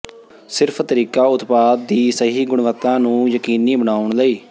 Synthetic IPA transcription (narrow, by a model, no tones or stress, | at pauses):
sɪɾpʰt̪əɾiːkaːʊt̪paːd̪̚ːiːsəɦiːɡʊɳʋət̪ːãːnũːjəkiːniːbəɽaːʊɳləiː